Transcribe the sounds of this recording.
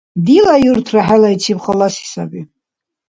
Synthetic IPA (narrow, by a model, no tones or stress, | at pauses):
d̪ilajurt̪ʰraħalait͡ʃʰibχalasi̥sa̰bi